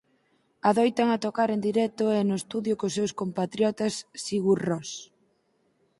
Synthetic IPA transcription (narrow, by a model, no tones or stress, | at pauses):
aðojt̪aŋat̪okaɾend̪iɾɛt̪ʊɛnʊest̪uðjʊkosːewskompat̪ɾjɔt̪ɐsːiɣurɔs